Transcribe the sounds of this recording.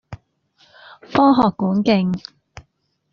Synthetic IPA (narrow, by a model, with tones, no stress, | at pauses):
fɔː˥ŋɦɔː˨kːuː˨˥nkɪ˧ŋ